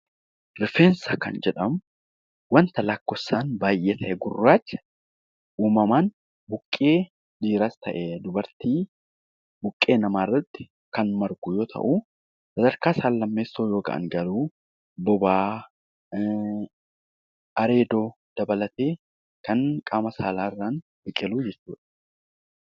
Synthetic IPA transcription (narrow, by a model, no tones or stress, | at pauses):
ɾɪfeːnsakɐnd͡ʒɛᶑɐmʊ | wɐnt̪ɐlɐkːɔsːaːnbaːjʔeːt̪ʰɐʔɛɡʊrːaːt͡ʃː | ʔuːmɐmaːn | bʊkʼːeː | ᶑiːɾast̪ɐʔed̪ʊbɐɾt̪iː | bʊkʼːe̞ːnɐmaːrːɐt̪ːɪ̥ | kɐnmɐɾɡuːjo̞ːt̪ʰɐ̰ʔu | sɐd̪ɐɾkaːsaːlːɐmːeːsoːjo̞ːɡɐ̰ʔɐ̰ŋɡɐluː | bɔbaː | ʔɐɾe̞ːd̪o̞ː | d̪̥ɐbɐlɐt̪eː | kɐnkʼaːmɐsaːlaːrːaːn | bɪkʼːɛluːd͡ʒɛt͡ʃːuːᶑɐ̥